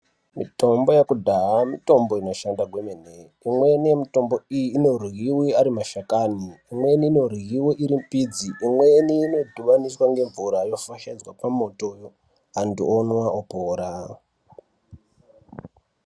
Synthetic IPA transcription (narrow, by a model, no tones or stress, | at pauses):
mito̞mbo̞jekudʱaɦamito̞mbo̞ino̞ʃandaɡʱwemene | imwe̞nijemito̞mbo̞ijiːno̞rɣiwiaɾimaʃakaniːmwe̞niːno̞rɣiwiʔiɾimpid͡ziʔːmwe̞niːno̞dʱuʋaniswaŋɡe̞ɱvuɾajo̞faʃad͡zwapamo̞to̞jo | ɦandṵonwaopoːɾa